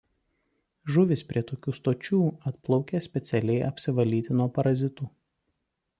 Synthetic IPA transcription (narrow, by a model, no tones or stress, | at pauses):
ʒʊʋʲɪspʲɾʲiɛt̪oːkʲuːst̪oːt͡ʃʲuːɐt̪plˠɒʊkʲesʲpʲɛt̪sʲɛlʲɛɪʔɐpʲsʲɪʋɐlʲiːt̪ʲɪnuɔpɐɾɐzʲɪt̪u